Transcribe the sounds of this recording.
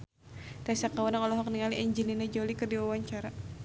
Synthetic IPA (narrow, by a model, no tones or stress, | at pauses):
t̪asakawanaŋɔlɔɦɔk̚niŋaliʔɛɲd͡ʒilinɛd͡ʒolikɨrdiwawaɲt͡ʃaɾa